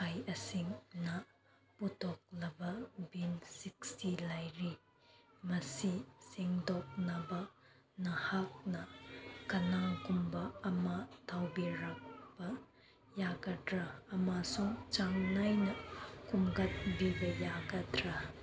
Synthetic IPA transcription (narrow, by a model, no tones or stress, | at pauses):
ajɐsiŋnɐ | putʰɔk̚lɐbɐbinsik̚stilajɾi | mɐsisiŋdɔk̚nabɐ | nɐhak̚nɐkɐnaŋkumbɐːmɐtʰawbiɾak̚b̥ɐ | jaɡɐdɾɐːmasuŋt͡ʃaŋnajnɐkumɡɐt̚bibɐjaɡɐdɾɐ